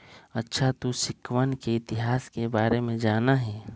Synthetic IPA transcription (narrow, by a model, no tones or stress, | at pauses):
ɐtːʃʰat̪uʃɪkːʋənkeɪt̪ɪɦaːskebaːɾemẽd͡ʒaːnaɦɛː